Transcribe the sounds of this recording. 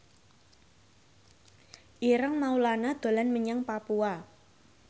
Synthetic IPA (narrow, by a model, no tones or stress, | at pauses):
ʔiɾəŋmaulanad̪̥o̤lanməɲaŋpapua